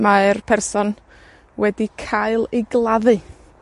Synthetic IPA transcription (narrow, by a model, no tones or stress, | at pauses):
maɛrpʰɛrsɔn | wɛdikʰaɨlˠejɡlˠaðɨ